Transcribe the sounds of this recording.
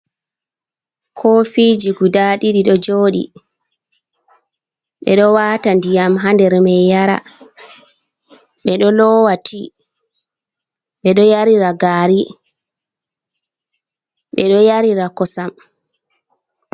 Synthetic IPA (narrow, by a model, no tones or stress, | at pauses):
kʰɔfid͡ʒiɡudaɗiɗiɗɔd͡ʒoːɗḭ | ɓɛ̰ɗɔwaːtandijamɦandɛɾmɛjjaɾa̰ | ɓɛɗɔlɔwatʰi | ɓɛɗɔjaɾiɾaɡaːɾi | ɓɛɗɔjaɾiɾakɔsam